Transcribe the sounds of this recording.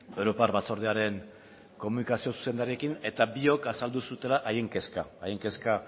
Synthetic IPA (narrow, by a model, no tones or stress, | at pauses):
e̞wɾo̞parβaso̞ɾðeaɾe̞ŋ | ko̞munikasio̞su̥se̞nd̪aɾie̞kine̞t̪abio̞kasald̪usut̪e̞laʔaje̞ŋke̞skaːjeŋke̞ska